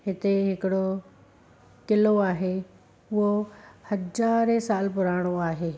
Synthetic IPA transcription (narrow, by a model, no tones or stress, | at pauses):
ɦɪt̪eɦɪkɪɽo | kɪloaːɦe | ʊɦohɐd͡ʑaːɾesaːlpʊɾaːɽ̃oaːɦeː